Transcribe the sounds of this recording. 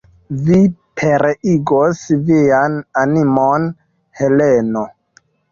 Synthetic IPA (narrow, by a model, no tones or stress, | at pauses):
vipʰeɾiɡosviananimon | heleno